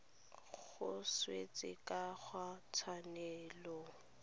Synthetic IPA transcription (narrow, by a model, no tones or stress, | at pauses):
ɣʊswet͡sʼɪkʼaχʰwat͡sʰwanɛːlɔ